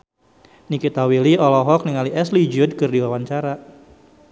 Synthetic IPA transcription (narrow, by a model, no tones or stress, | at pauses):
nikit̪awiliɔlɔɦɔk̚niŋaliʔɛslid͡ʒʊd̚kɨrdiwawant͡ʃaɾa